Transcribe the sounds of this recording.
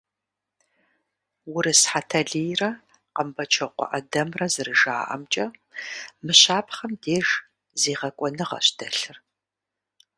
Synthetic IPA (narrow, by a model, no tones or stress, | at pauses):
wʊɾɨsħatʰɐɮijrɐ | qəmbɐt͡ʃʰɐqʷɔ̰ʔɐdɐmrɐzɨrɨʒa̰ːʔɐ̰mt͡ʃʼɐ | mɨɕaːpʰχɐmdeːʒ | zeːʁɐkʷʼɔnɨʁɐ̰ɕd̥ɐɬɨr